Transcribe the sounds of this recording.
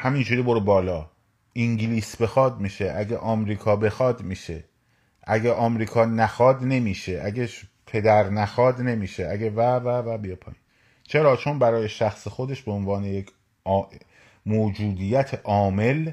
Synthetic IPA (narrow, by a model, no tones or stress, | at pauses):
hæmind͡ʒuːɾiːboɾebɒːlɒː | ʔiŋɟliːsbe̞xɒːd̪̚miːʃeʔæɟeʔɒːmɾiːkʰɒːbe̞xɒːd̪miːʃe | ʔæɡeʔɒːmɾiːkʰɒːnæxɒːd̪ne̞miːʃeʔæɡe | pʰe̞d̪æɾnæxɒːd̪ne̞miːʃeæɡevævævæbijepʰɒ̰ːiːn | t͡ʃʰe̞ɾɒːt͡ʃʰonbæɾɒːje̞ʃæxsexo̞d̪e̞ʃbeonvɒːne̞jecʰː | moːd͡ʒuːd̪ijæt̪ʰeʔɒːme̞l